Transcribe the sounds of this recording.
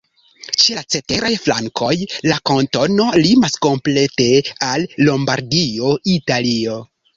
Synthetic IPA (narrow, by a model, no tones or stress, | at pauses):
t͡ʃelat͡se̞te̞ɾajflaŋkʰo̞jlakonto̞no̞limasko̞mple̞te̞alːo̞mbaɾdio̞italio̞